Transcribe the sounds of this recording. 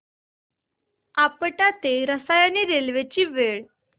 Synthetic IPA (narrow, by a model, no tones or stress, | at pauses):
apəʈat̪eɾəsajaniɾelʋet͡ɕiːʋeɭ